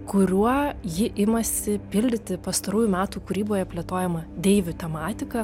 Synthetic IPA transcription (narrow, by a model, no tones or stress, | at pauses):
kʊɾʲuɔjɪʔɪmɐsʲɪpʲɪlʲd̪ʲɪt̪ʲɪpɐst̪ɐɾuːjumʲæːt̪uːkʊɾʲiːboːjɛpʲlʲɛt̪oːjɛmɐd̪ʲeɪʋʲʊt̪ʲɛmɑːt̪ʲɪkɐ